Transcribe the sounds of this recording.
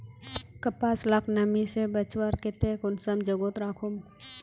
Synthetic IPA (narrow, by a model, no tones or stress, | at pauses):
kɐpaːslɐkʰnɐmisebət͡ʃwəɾket̪ekʊnsəmd͡ʒəɡot̪ɾaːkʰum